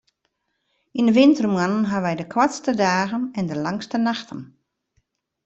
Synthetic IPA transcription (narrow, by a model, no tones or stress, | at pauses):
indəʋɪntərmwanənɦaʋɛjdəkʰwatstədaːɣənɛndəlaŋstənaxtʰə̰n